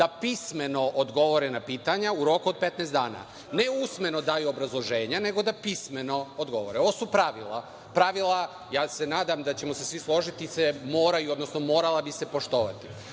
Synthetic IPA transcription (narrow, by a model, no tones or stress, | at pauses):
d̪apisme̞no̞ʔod̪ɡo̞ʋoɾenapiːt̪aɲauɾo̞kuod̪̚pet̪nɛːst̪d̪aːna̰ | ne̞usme̞no̞d̪aːjuobɾazlˠo̞ʒe̞ːɲane̞ɡo̞d̪apisme̞no̞od̪ɡo̞̰ʋo̞̰ɾeoʋosupɾaʋilˠa̰ | pɾaʋila | jaːse̞naːd̪amd̪at͡ɕe̞mosesʋislˠo̞ʒit̪isemo̞ːɾajuod̪no̞sno̞moːɾalˠabise̞po̞ʃt̪o̞ʋa̰t̪i̥